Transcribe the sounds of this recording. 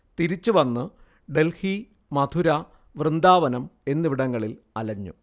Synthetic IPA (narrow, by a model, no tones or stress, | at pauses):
t̪iɾit͡ɕːuʋɐnːɨ | ɖe̞lhi | mɐd̪ʱuɾɐ | ʋrɨnd̪aːʋɐnɐme̞nːɨʋiɽɐŋːɐɭil | ɐlɐɲːṵ